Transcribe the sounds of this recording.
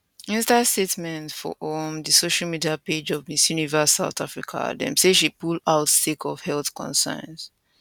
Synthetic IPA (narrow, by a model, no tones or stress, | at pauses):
ĩnstastetmɛ̃ntfɔ̰ʔɔmdɨsoʃalmidiaped͡ʒɔvmisjunivasaʊθafɹikʰa̰dɛ̰̃mseʃ̬ipulaʊtstekʰɔv̥hɛlθkʰɔ̰̃nsã̰nz̥